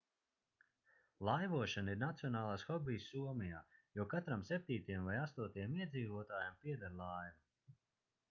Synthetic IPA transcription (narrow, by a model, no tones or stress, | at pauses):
lˠajvuɔʃaniɾnat̪sijɔnaːlˠaːsxɔbiːsːuɔmijaːjukat̪ɾamsʲep̚ʲt̪ʲiːt̪ajɛmvajast̪uɔt̪ajɛmiɛd̪ziːvuɔt̪aːjampiɛd̪aɾlˠaːjvu